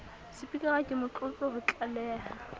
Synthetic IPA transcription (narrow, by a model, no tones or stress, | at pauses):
sɪpikʼaɣakʼɪmʊt͡ɬʼʊpʼɔhʊt͡ɬʼalɛːla